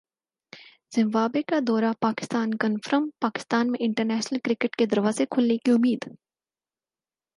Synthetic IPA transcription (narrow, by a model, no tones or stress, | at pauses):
z̥ɐ̃mʋaːbekad̪ɔːɾapaːkɪ̥st̪aːnkənfɾəmpaːkɪ̥st̪aːnmẽʔɪ̃ɳʈəɾnɛːʃnəlkɾɪkəʈked̪ɐɾʋaːzekʰʊlnekiʊmːiːd̪